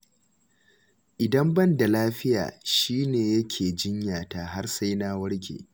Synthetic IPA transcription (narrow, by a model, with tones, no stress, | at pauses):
ʔɪ˨dɐ˦mbɐ˦nda˨laː˦ɸɪ˦ja̰ː˨ʃiː˦neː˨jɐ˦kʲʰeː˨d͡ʒɪ˦ɲjaː˨taː˨ɦa˦rsa˦jnaː˦wɐ˦ɽɡʲḛː˨